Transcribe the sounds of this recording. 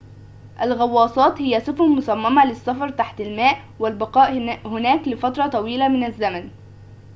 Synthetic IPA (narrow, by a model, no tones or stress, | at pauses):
ʔælɣɑwːɑːsˤɑːt̪hɪjːæsʊfumʊsæmːæmælɪsːɑfɑɾˤt̪aħt̪ælmæːʔ | wælbɑqɑːʔhʊnæːklɪfɑt̪ɾˤɑt̪ˤɑwiːlæmɪnæzːæmæn